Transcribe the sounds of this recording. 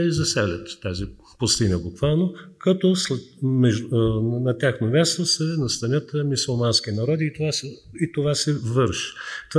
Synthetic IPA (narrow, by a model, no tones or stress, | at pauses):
izɐsɛlʲə̰t̪ːazi | pʊst̪inəbukvalˠnokɐt̪ɔslɛmɛʒnɐt̪ʲaxnomʲast̪osɛnɐst̪ɐnʲət̪əmisulˠmanskʲinɐɾɔd̪iːt̪ovasɛ | it̪ovasɛvɤɾʃt̪